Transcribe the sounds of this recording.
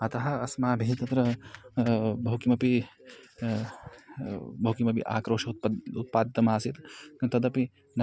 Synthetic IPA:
ɐt̪ɐɦɐɐsmaːbʱiɦit̪ɐt̪ɾɐ | bʱɐwkimɐpi | bʱɐwkimɐpḭʔa̰ːkɾoːʃɐut̪̚paːd̪it̪ɐmaːsit̪kɐnt̪ɐd̪ɐpi | n

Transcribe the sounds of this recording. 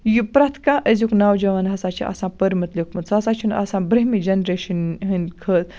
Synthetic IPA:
jupɾɐt̪ʰkaːʔəzʲuknaːwd͡ʒɐʋanɦɐsaːt͡ʃʰḭʔɐ̰sãːpəɾmɐt̪lʲikmɨnt͡sɐsaːt͡ʃʰuna̰sãːbɾɐɦmid͡ʒɐnɾeːʃɐnɦɨnkʰəːt̪

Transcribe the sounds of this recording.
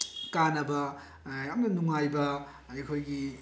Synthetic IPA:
kanɐbɐ | ɐmɐnɐnuŋajbɐ | ajkʰojɡi

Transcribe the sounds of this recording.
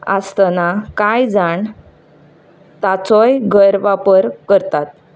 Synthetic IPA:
a̰st̪nakajd͡zaɳ | t̪at͡sɔjɡʱəɾʋapəɾkəɾt̪at̪̚

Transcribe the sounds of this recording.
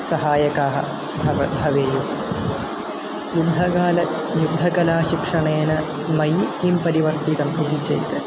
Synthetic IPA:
sɐɦaːjɐkaːɦɐ̰ | bʱɐʋɐbʱɐʋeːjuː | jud̪ʱːɐkaːlɐ | jud̪ʱːɐkɐlaːʃikʂɐɳeːnɐ | mɐjkimpɐɾiʋɐɾt̪it̪ɐmud̪ʱit͡ʃḛjt̪ɐ

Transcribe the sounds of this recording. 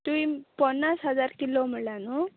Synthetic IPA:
t̪uĩpənːasɦəd͡zaɾkilom̤əɭljanu

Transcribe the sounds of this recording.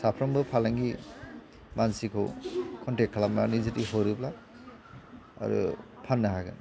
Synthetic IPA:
sapʰɾɔmbɯpʰalaŋɡi | mansikʰɯwkʰɔntek̚kʰːalamlanizɯtiɦɔɾɯpla | a̰ɾṵ | pʰanːaɦaɡɯ̰n

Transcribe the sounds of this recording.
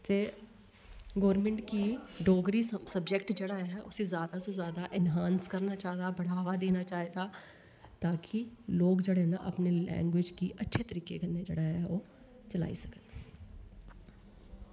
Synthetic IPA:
t̪eː | ɡɔːɾmɛ̃ɳʈkiɖoːɡɾisəbd͡ʒekʈd͡ʒeɽaɦɛʔʊsezjaːd̪asozjaːd̪aʔɪnɦãːnskəɾnat͡ʃaːɦd̪abɐɽ̤aːʋad̪eːnat͡ʃaːɦed̪aː | t̪aːkʰiloːɡd͡ʒɐɽenaʔɐpnelɛ̰̃ːŋɡwɪd͡ʒkiʔətːʃʰet̪əɾiːkekəɾned͡ʒeɽaɦɛoː | t͡ʃəla̰ːḭsɐkən

